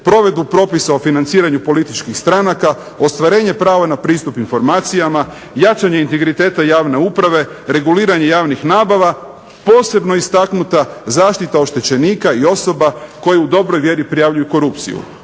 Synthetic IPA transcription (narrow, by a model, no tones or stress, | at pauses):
pɾo̞ʋe̞d̪bupɾo̞pisaofinant̪siːɾaɲupo̞lit̪it͡ʃkixst̪ɾanaka | o̞st̪ʋaɾe̞ːɲe̞pɾaːʋanapɾiːst̪upinfo̞ɾmaːt̪sijama | jat͡ʃaɲeint̪e̞ɡɾit̪e̞ːt̪ajaːʋne̞uːpɾaʋe̞ɾe̞ɡuliːɾaɲe̞jaːʋnixnaːbaʋa | po̞ːse̞bno̞ist̪aknut̪azaːʃt̪it̪ao̞ʃt̪e̞t͡ɕe̞niːkaio̞so̞bako̞jeud̪o̞bɾojʋje̞ɾipɾijaʋʎujuko̞ɾupt̪sḭjṵ